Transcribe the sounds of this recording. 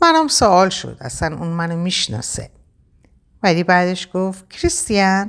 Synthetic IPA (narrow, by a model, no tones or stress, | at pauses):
mænæmsoɒːlʃo̰d̪æ̰slænṵnmænomiʃnɒ̰sḛ | vælibæːd̪eʃɡoft̪̚kʰɾist̪ijæn